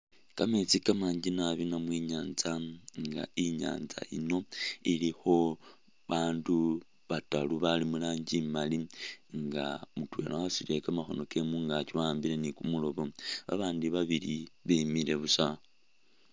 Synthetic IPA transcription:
kamet͡sikamaːɲɟinaβinamwiɲaːnzaŋɡa̰iɲa̰ːnza̰ḭno̞ilixo̞ | βaːndu | βataluβalimulaːɲɟimaliŋɡa̰mutwe̞̰ːlaosile̞kamaxo̞no̞ke̞muŋɡat͡ʃiwaːmbiɾe̞nikumulo̞βo̞βa̰βaːndiβaβiliβemiɾe̞βusa

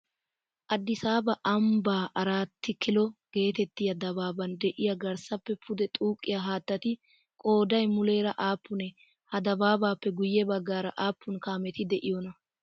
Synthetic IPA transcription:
ʔɐd̪ːɪsaːbɐʔɐmbaːʔɐɾaːt̪ːɪkɪlɔɡ̥e̞ːt̪ɛt̪ːɪjɐd̪ɐbaːbɐnd̪ɛʔɪjɐɡɐɾsɐpːɛpʰʊd̪ɛt̪ʼuːkʼːɪjaɦaːt̪ːɐt̪ɪ | kʼo̞ːd̪ɐjmʊle̞ːɾɐʔaːpːʊnɛ | hɐd̪ɐbaːbaːpːɛɡʊjːɛbɐɡːaːɾɐ̰ʔaːpːʊnkaːmɛt̪ɪd̪ɛʔɪjɔnɐ

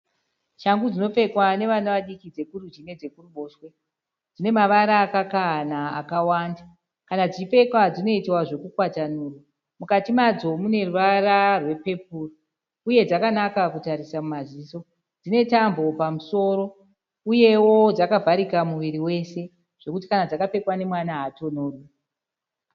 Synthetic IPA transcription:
ʃaŋɡud͡zino̞fe̞kwane̞ʋanaʋaɗikid͡ze̞kurud͡ʒine̞d͡ze̞kuruɓo̞ːʃwe̞ | d͡zine̞maʋaɾaːkakaɦnaːkawanda | kanad͡zife̞kwad͡zino̞itwaʐe̞kukwatanuːrwa | mukatimad͡zo̞mune̞rurararwe̞pe̞puːro | uje̞d͡zakanakakutaɾisamumaziːso̞ | d͡zine̞tambo̞pamuso̞ɾo̞ | uje̞wo̞d͡zakavʱaɾikamuʋiɾiwe̞se̞ | ʐ̥e̞kut̬i̥kanad͡zakape̞kwane̞mwanaɦato̞noːru

